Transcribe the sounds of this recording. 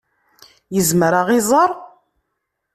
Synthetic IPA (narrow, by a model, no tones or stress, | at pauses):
jəzməɾaʁɪzˤəɾˤ